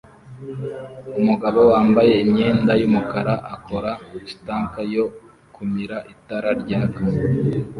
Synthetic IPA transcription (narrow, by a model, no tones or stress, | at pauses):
umuɡaβo̞waːmbaje̞imɲe̞ːndajumukaɾaʔakʰo̞ɾataːŋkajo | kʰumiɾaʔitaɾaɾɟaːka